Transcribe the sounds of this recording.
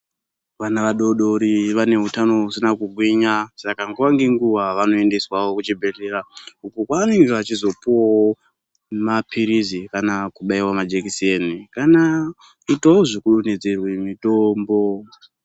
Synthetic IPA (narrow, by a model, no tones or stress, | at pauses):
ʋanaʋaɗo̞ɗo̞ɾiʋane̞ɦutano̞ɦusinakuɡʱwiɲasakaŋɡuʋaŋɡeŋɡuʋaʋano̞e̞nde̞swawokut͡ʃibʱe̞ɮe̞ɾaukukwanirat͡ʃizo̞puwo | mapʰiɾizikanakuɓaiwamad͡ʒekisenikana | itowoʐikuɾune̞d͡ze̞rwemitombo̞